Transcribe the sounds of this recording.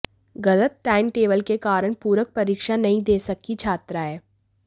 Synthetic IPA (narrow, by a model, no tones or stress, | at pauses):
ɡɐlət̪̚ʈaːɪnʈeːbəlkekaːɾəɽ̃puːɾək̚pɐɾiːkʃanɐɦĩd̪eːsɐkːit͡ʃʰaːt̪ɾaɦɛː